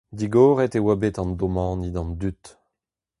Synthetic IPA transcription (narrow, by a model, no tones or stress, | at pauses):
d̪iɡɔːʁɛt̪ewabet̪ɑ̃nd̪ɔmɑ̃nid̪ɑ̃nd̪yt̪